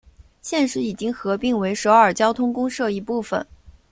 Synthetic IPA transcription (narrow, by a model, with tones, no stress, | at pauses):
ɕjɛ˥˧nʂɻ̩˥˩i˨˩t͡ɕi˥ŋxɤ˧˥pi˥˩ŋwe˧˥ɪʂo˧˥ə˞˨˩t͡ɕjɑ˥ʊt̪ʰʊ˥ŋkʊ˥ŋʂɤ˥˧i˧˥pu˥˩fə̰˨˩n